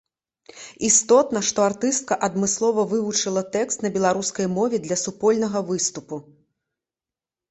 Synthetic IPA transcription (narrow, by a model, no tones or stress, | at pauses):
ist̪ɔt̪nɐʂt̪ɔart̪ɨst̪̚kɐʔɐd̪mɨslˠɔvɐvɨvut͡ʂɨlˠɐt̪ɛkst̪nɐbʲɛlˠaɾuskɐjmɔvʲɛd̪lʲɐsupɔlʲnɐɣɐvɨst̪upu